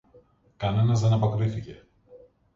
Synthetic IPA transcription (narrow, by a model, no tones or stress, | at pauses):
kɐne̞nɐzðe̞nɐpokɾiθice̞